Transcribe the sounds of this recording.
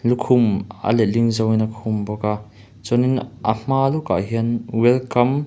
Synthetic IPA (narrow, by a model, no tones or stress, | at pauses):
lukʰumə̰lɛliŋzɔwinəkʰumbɔka | t͡sɔninʔə̰m̥aːluka̰ʔɦiənwɛlkɐm